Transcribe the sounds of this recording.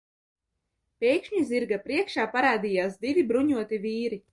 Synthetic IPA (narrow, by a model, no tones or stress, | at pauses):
pʲɛjkʃɲiziɾɡapɾiɛkʃaːpaɾaːd̪iːjaːsd̪ivibɾuɲuɔt̪iviːɾi